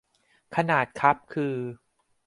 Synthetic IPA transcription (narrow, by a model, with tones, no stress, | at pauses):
kʰa˧naː˨˩t̪̚kʰa˦˥p̚kʰɯː˧